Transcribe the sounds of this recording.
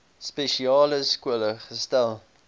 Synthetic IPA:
speʃiɑːləskuələχəstælˠ

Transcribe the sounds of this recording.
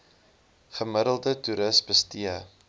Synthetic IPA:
χəmədəlˠdətuɾəsbəstiə

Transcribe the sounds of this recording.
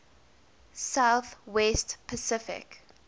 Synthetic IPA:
saʊθwɛstpʰəsɪfɪ̰k

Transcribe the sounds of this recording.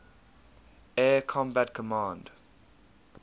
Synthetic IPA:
ɛːkʰɔ̃mbatkʰəmɑ̃ːnd

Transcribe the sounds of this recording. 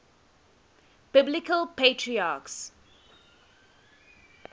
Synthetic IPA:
b̥ɪblɪkəlpʰeːtʰɹiaːks

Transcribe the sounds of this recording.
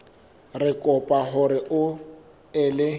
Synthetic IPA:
rɪkʼɔpʼaɦʊɾɪʔʊ | ɪlɪ

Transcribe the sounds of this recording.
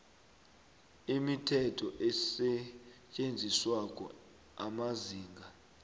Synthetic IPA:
imitʰɛtʰɔʔɛsɛcʼend͡zʱiswak̬ʼɔ̰ | amaziːŋɡʱa

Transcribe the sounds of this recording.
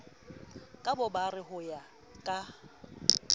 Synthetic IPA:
kʼabʊbarɪɦʊja | kʼa

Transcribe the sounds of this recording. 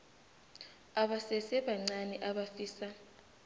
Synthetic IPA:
aɓasɛsɛɓaŋ͡ǀanɛʔaɓafiːsa

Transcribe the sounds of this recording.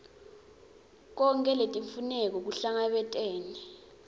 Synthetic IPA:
k̬ɔŋkʼɛletʼiɱfunɛk̬ɔk̬uɬaŋaɓɛtʼɛːnɛ

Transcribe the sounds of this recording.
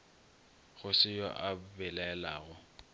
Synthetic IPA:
ɣʊsɪjɔ̰ʔabɛlɛɛla̰ːɣʊ

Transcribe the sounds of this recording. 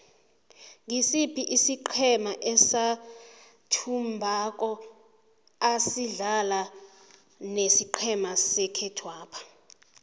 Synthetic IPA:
ŋisipʰiʔisiǃʰɛmaʔɛsa | tʰumbʱak̬ʼɔ | asiɮala | nesiǃʰɛmasɛkʰɛtʰwaːpʰḁ

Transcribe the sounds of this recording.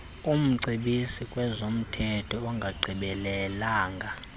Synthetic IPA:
um̩ǀʱiɓisikʼwɛzom̩tʰɛtʰɔːŋɡʱaɡ͡ǀʱiɓɛlɛlaːŋɡʱa

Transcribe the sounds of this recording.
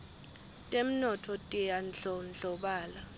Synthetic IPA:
tʼem̩nɔtʰɔtʼijanɬɔnd͡ɮɔɓaːla

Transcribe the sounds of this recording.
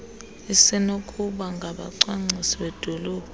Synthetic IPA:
isinokʼʰuɓaŋɡʱaɓa̰ǀwaŋ͡ǀisiɓɛd̥ʱɔlɔːb̥̚ʱ

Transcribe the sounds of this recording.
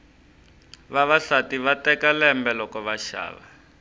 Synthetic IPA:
βaβaɬatiβatɛkalɛmbɛlɔkɔβaʃa̰ːβa̰

